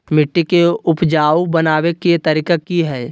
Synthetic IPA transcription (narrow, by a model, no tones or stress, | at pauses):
mɪʈːikeʊpd͡ʒaːwbɐnaːwekeet̪ɐɾiːkakiɦɛː